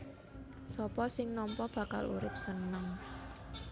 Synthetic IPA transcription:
sɔpɔsɪŋnɔmpɔb̥ä̤kalṵɾɪp̚sənəŋ

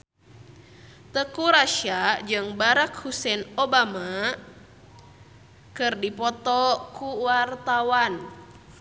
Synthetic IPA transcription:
t̪əkuɾaʃad͡ʒɨŋbaɾakhusɛnobama | kɨrdipɔt̪ɔkuwart̪awan

